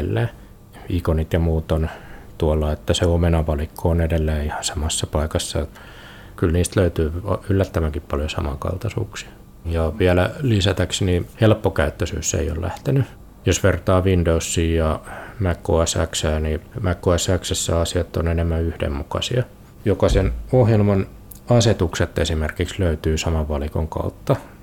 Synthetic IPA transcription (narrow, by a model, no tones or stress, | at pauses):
lːeː | ikonit̪jɑmuːt̪ont̪uɑlːɑet̪ːæseomenɑʋɑlikːoonedelːeːihɑ̥sɑmɑsːɑpɑikɑsːɑ | kylniːst̪løyt̪yːylːæt̪ːæʋæŋkippɑljosɑ̰mɑ̰ŋkɑ̰lt̪ɑsṵːksi̥ | jɑʋiælælisæt̪æksnihelpːokæyt̪ːøsy̰ːsːḛio̰llæ̰ht̪eny | josʋert̪ɑːʋindousːiːjɑmækːoæsæ̰ksæːnimækːoæsæksæsːæɑsiɑt̪ːonenemːæyhdḛmmukɑ̰siɑ | jokɑsenohjelmɑn | ɑset̪ukset̪ːesimerkiksløyt̪yːsɑmɑʋʋɑlikoŋkɑ̰ut̪ːɑ